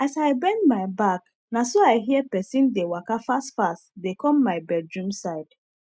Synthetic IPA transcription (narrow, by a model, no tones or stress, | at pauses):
asaɪbɛ̃ndmaɪbak | nasoaɪɦiɛpɛsĩndewakafastfastdekɔ̃mːaɪbɛd̚ɹũmsaɪd̥